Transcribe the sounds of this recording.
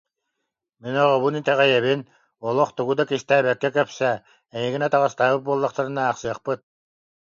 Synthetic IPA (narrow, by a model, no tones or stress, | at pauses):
minɔʁɔβunit̪ɛʁɛjɛβin | uɔlˠɔχt̪uɡud̪akiʃt̪æːbɛkːɛkœpsɛ | ɛŋiɡinɛt̪ɑʁɑst̪aːbɯt̪̚buɔlˠːɑqt̪aɾɯnaːqsɯɐχpɯt̪̚